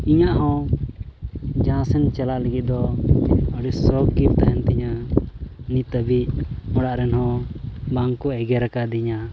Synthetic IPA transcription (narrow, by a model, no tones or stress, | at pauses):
iɲaʔɦɔ̃ | d͡ʒaãsɛnt͡ʃɛlaʔləɡid̪ɔ | əɽɛsɔkipt̪aɦɛnt̪ɛɲa | nit̪əbiɔɽaʔɾɛnhɔ̃baŋkuɛɡɛɾakad̪iɲa